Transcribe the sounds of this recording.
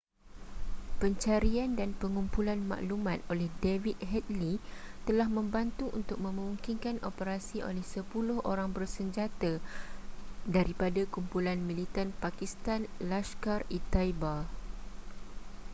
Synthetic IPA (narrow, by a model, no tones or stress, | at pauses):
pəɲt͡ʃaɾiandanpəŋumpulanma̰ʔlumãt̪̚olɛhdevit̪̚ɦɛt̪̚lit̪əlahmə̃mbant̪uʔṵnt̪ʊk̚mə̃mũŋkinkanʔopəɾasiʔo̰lɛhsəpulʊhʔo̰ɾaŋbərsəɲd͡ʒat̪a | daɾipadakumpulanmĩlit̪anpakist̪anlaʃkarit̪aiba